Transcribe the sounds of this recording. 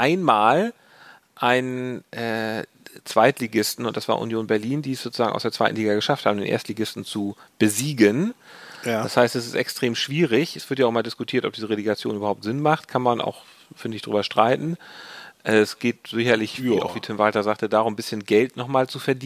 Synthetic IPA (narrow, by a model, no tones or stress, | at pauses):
ʔaɪnmaːl | ʔaɪnʔɛː | t͡sv̥aɪtliɡɪstn̩ʊntd̥asv̥aːʔṵnjoːnbɛɐliːndiːɛsz̥oːt͡suzaːɡŋʔaʊsd̥eːɐt͡sv̥aɪtn̩liːɡɐɡəʃaftha̰ːbm̩deːnʔḛɐstn̩liɡɪstn̩t͡sub̥əziːɡən | dashaɪstɛsɪstɛkstʁ̥eːmʃv̥iːʁɪçɛsv̥ɪɐtjaʊʔɪmɐldɪskʊtʰiːɐtɔ̰p̚d̥iːzəʁeliɡat͡sjo̰ːnyːbɐhaʊp̚tz̥ɪnmaχtkʰanmanʔa̰ʊx | fɪndɪçd̥ʁyːbɐʃtʁ̥aɪtn̩ʔɛːsɡ̥eːtz̥ɪçɐlɪçva̰ʊxv̥iːtʰɪmvaltɐzaːktədaːʁʊmbɪsçənɡɛltnɔχmaːlt͡sufɛɐdiː